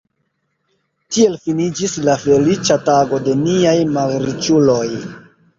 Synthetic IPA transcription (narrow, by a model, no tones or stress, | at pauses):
tie̞lfinid͡ʒislafe̞lit͡ʃataɡo̞de̞niajmaɡɾit͡ʃulo̞j